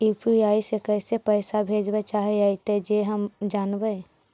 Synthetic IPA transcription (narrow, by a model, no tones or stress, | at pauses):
ipʰiaisekəɪsepəɪsabʱed͡ʒbɛt͡ʃaɦɛait̪ed͡ʒeɦəmd͡ʒaːnbɛ